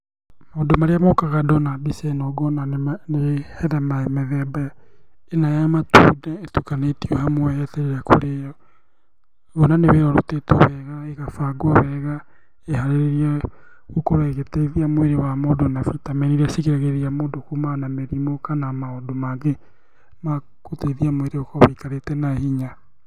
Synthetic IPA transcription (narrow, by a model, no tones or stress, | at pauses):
maodomaɾeamokaɣadɔnabisɛnɔɡɔnanehɛɾɛmaemɛðɛbaja | enajamatṵdɛetukanetiohamwɛɛtɛɾeɾako̰ɾejɔ | ɣɔnaneweɾɔɾo̰teto̰βɛɣaeɣafaɡɔβɛɣa | ehaɾeɾeɾiɛɣokoɾɛɣeteiðiamoweɾewamoːdonafitamɛniɾasiɣeɾaɣeɾiamoːdokumanameɾimokanamaodomaŋɡe | ma | koteiðiamweɾeokɔβeikaɾetɛnaehiɲa